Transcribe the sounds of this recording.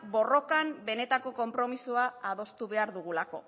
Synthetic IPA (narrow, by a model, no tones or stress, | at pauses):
bo̞ro̞kambe̞ne̞t̪ako̞ko̞mpɾo̞misuaað̞o̞st̪uβe̞aɾðuɣ̞ulako̞